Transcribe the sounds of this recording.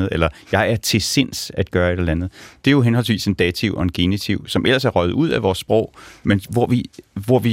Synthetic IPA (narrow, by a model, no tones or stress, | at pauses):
ð̩ˠelɐjɑ̈ɪæɐt͡sʰe̝se̝n̰sæd̥̚ɡ̥ɶːɐe̝ɾɒl̩ænð̞̩ˠd̥e̝jo̝ɦenɦɒ̽ls̬ʋḭːse̝nd̥ɛːt͡sʰiʊʔɒ̽e̝nɡ̥e̝nit͡sʰiʊ̰sɒ̽mʔel̰ɐsæɐʁœɪð̩ˠuð̞̰ˠæʋɒːsːb̥ʁɔʊ̰menʋɒʋiʋɒʋi